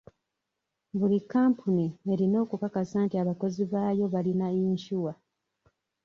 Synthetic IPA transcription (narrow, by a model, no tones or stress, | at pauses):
βulikːaːmpʰunieɾino̞ːkukakasaːntiaβako̞ziβaːjo̞βalinaiɲʃuwa